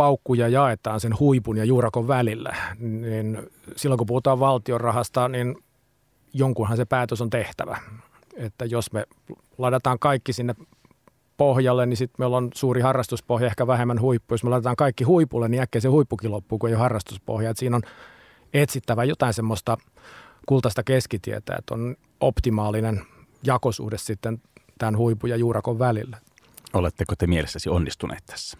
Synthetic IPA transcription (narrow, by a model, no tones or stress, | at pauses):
pɑukːujɑjɑet̪ɑːnsenhuipunjɑjuːrɑkoʋʋælilːæ̰nin | silːoŋkupuhut̪ɑːʋʋɑlt̪iorrɑhɑst̪ɑnin | joŋkunhɑnsepæːt̪øsont̪eht̪æ̰ʋæ̰ | et̪ːæjosme | lɑitet̪ɑːŋkɑikːisinːep | pohjɑlːennisit̪meilːonsuːrihɑrːɑst̪uspohjɑehkæʋæhemːænhuipːujosmelɑˑit̪et̪ɑːŋkɑikːihuipulːeniækːeisehuipːukilopːuːkueijohɑrːɑst̪uspo̰hjɑet̪siːnon | et̪sit̪ːæʋæjot̪ɑˑinsemːost̪ɑ | kult̪ɑst̪ɑkeskit̪iḛt̪æ̰ːḛt̪o̰n | o̰pt̪imɑːlinenjɑkosṵhdessit̪ːent̪ænhuipujɑjuːrɑkoʋʋælilːæ̥ | olet̪ːekot̪emielesːæsionːist̪unʔḛːt̪t̪ʰæ̥sːæ̥